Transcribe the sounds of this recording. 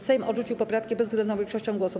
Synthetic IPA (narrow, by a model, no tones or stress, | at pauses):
sɛjmɔʐut͡ɕiwpɔpɾafkʲibɛzvɡlɛnd̪ɔ̃w̃vʲẽŋkʂɔɕt͡ɕɔ̃w̃ɡwɔsɔ